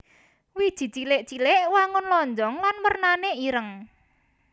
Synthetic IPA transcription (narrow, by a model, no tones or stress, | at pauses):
wid̥ʒ̥i̤t͡ʃilɪʔt͡ʃilɪʔwaŋʊnlɔɲd͡ʒɔŋlanwərnaneiɾəŋ